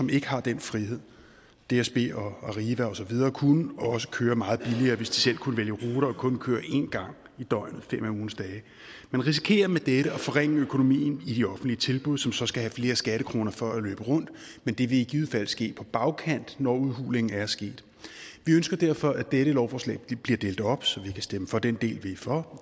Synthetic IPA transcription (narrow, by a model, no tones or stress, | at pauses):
sɒ̽me̝ɡ̥əhɑ̈d̥enfʁihe̝ð̰ˠ | d̥e̝æsb̥e̝̰ːɒɑʁiːʋæɒ̽sɒ̽ʋið̞ˠɐːkʰunəɒ̽sə̥kʰøːɐmɑ̈ːð̞̩ˠb̥iliɐːʋe̝sd̥i̥sel̰kʰunəʋeljəʁoːɾ̥ɐɒkʰɔ̽nkʰøːɐʔe̝nɡ̥ɑ̈ŋ̰ | id̥ɒɪ̰nð̩ˠfem̰æuːn̩sd̥ɛː | menʁis̬i̥kʰe̝̰ːɐmed̥eɾəɒ̽fɒ̽ʁeŋ̰əøkʰo̝no̝mḭːn̩id̥iɒ̽fn̩d̥liət͡sʰe̝lb̥uð̞̰ˠsɒ̽msɒ̽sɡ̥æɦæfle̝ːɐsɡ̥æɾ̥əkʰʁo̝ːnɐfɒ̽ælø̰ːb̥əʁɔ̽n̰d̥ | mend̥e̝ʋe̝iɡ̥ið̩ˠfæl̰sɡ̥e̝̰ːpʰɒ̽b̥ɑ̈ʊkʰæn̰d̥nɒuðˠɦṵːle̝ŋ̩æɐsɡ̥e̝̰ːd̥ | ʋiønsɡ̥ɐd̥æɐ̰fɒ̽ʔæd̥eɾəlɒʊfɒːslɛ̰ːɪb̥liɐd̥e̝ːld̥ˠɒ̽b̥sɒ̽ʋikʰæsd̥eməfɒ̽d̥end̥e̝̰ːlʋe̝fɒ̽